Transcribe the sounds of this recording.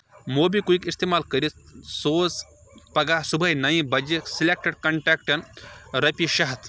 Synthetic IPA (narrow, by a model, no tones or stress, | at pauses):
moːbikuikist̪eːmaːlkəɾisoːs | pɐɡasubʱənɐĩbɐd͡ʒiksilek̚ʈɐɖkɐɳʈeːkʈɐnɾɐpiʃɐɦt̪